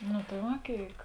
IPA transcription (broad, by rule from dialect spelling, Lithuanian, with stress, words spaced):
nʊ tɐɪ ˈʋɐ ˈkʲeːɪk